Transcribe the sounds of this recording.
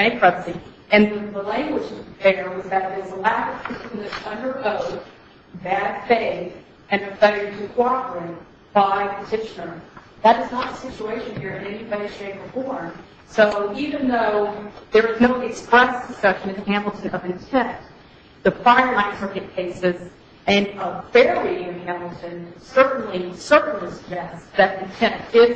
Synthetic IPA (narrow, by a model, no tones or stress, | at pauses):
ẽɪ̃pʰɹ̥ʌpsi | ɨ̃nðɨðəlæ̃ŋɡwəd͡ʒʌðə˞wʌzðɨɾðɪzəlæɾɨv̥tɨɨtʌ̃ndə˞ʔoʊt | bæd̥feɪθ | ɨ̃nɨfeɪɨtʰɨkʰw̥ɑpɹɨt̚ | b̥aɪpʰɨtʰɪʃɨnə˞ | ðəɾɨznət̪̚əsɪt͡ʃueɪʃɨ̃nhiɹɨ̃nɛnibʌɾi̥ʃẽɪ̃məfɔɹn | soʊivɨ̃nðoʊðə˞ɨznoʊʔɨkspɹɛsd̥ɨsʌʃɨ̃nɨ̃nɨhæ̃ml̩ˠtʰɨ̃nʌvɨ̃ntʰɛ̃n | ðɨfaɪə˞lãɪ̃nsɜ˞kɨt̚kʰeɪsɪz | ɨ̃nəfɛɹliɨ̃vhæ̃ml̩ˠtʰɨ̃nsɜ˞ʔn̩lisɜ˞ʔn̩lisəɡ̚d͡ʒɛstðɨɾɨ̃ntʰɛ̃ntɪf